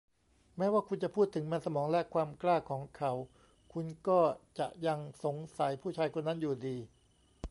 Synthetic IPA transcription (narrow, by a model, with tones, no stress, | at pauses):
mɛː˦˥waː˥˩kʰu˧nt͡ɕa˨˩pʰuː˥˩t̪ʰːɯ˩˦ŋma˧nsa˧mɔː˩˦ŋlɛ˦˥kʰwaː˧mklaː˥˩kʰːɔː˩˦ŋkʰa˩˦w | kʰu˧nkɔː˥˩t͡ɕa̰˨˩ʔja˧ŋso˩˦ŋsa˨˩˦jpʰuː˥˩t͡ɕʰaː˧jkʰo˧nːa˦˥njuː˨˩diː˧